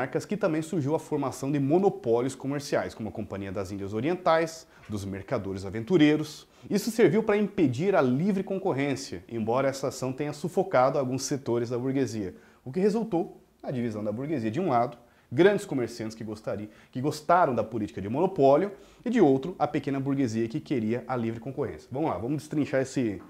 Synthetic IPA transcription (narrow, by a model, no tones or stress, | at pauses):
aɾkɐskɪt̪ɐ̃mbẽj̃suɾʒiwɐfoɾmasɐ̃w̃d̪ɪmonopɔljʊskomeɾsiajskõmʊɐkõmpɐ̃ɲiɐd̪ɐzĩnd͡ʒɐzoɾiẽnt̪ajs | d̪ʊzmeɾkad̪oɾɪzavẽnt̪uɾeɾʊs | isʊseɾviwpɾɐĩped͡ʒiɾɐlivɾɪkõkoɦẽsiɐḛ̃mbɔɾɐɛsɐasɐ̃w̃t̪ẽɲɐsufokad̪ʊawɡũsːet̪oɾɪzd̪ɐbuɾɡeziɐ | ʊk̬ɪɦezuwt̪ow | nɐd͡ʒivizɐ̃w̃d̪ɐbuɾɡeziɐd͡ʒɪũlad̪ʊ | ɡɾɐ̃nd͡ʒɪskomeɾsiɐ̃nt͡ʃɪ̥skɪ | kɪɡost̪aɾɐ̃w̃d̪ɐpʊlit͡ʃikɐd͡ʒɪmõnopɔljʊɪd͡ʒɪowt̪ɾʊɐpekẽnɐbuɾɡeziɐkɪkeɾiɐʔɐlivɾɪkõkohḛ̃sijɐ̥vɐ̃mʊzla̰vɐ̃mʊzd͡ʒɪst̪ɾĩʃaɾesɪ